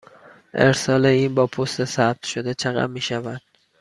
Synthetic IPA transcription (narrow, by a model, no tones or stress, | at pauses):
ʔe̞̰ɾsɒːleiːnbɒːpʰost̪esæb̥̚t̪ʰʃo̞d̪et͡ʃʰeɣæ̰mmːiːʃævænd̪̥